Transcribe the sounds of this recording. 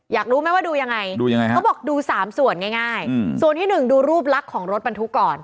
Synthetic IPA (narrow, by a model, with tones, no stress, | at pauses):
jaː˨˩k̚ɾuː˦˥ma˦˥˩waː˥˩duː˧ja˧ŋːa˧jduː˧ja˧ŋa˧jɔː˥˩bɔː˨˩k̚duː˧saː˩˦msu˨˩ənŋaː˥˩jŋaː˥˩jsu˨˩ənt̪iː˥˩nɯ˨˩ŋduː˧ɾuː˥˩p̚la˦˥kʰːɔː˩˦ŋɾo˦˥t̪̚ba˧nt̪ʰu˦˥kːɔː˨˩n